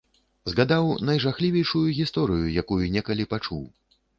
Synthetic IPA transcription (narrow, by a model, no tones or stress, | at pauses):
zɣad̪awnɐjʐaxlʲivʲɛjʂujuɣʲist̪ɔɾɨjujakujunʲɛkɐlʲipat͡ʂuw